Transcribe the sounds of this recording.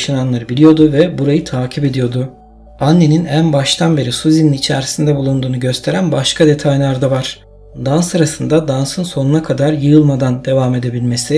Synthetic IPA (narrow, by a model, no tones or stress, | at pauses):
ʃananlˠaɾɯbilʲijo̞d̪uvɛbuɾajɯt̪ʰaːcʰipe̞d̪ijo̞d̪ʊ | anːe̞ninænbaʃt̪ʰanbe̞ɾisuziniit͡ʃʰæɾsind̪ɛbulˠund̪uːnuɟø̞st̪ʰe̞ɾænbaʃkʰad̪e̞t̪ʰajlʲˠaɾd̪avaɾ̥ | d̪ansaɾasɯnd̪ad̪ansɯnso̞nunakʰad̪aɾjɯjɯlˠmad̪and̪e̞vaːme̞d̪e̞bilʲme̞si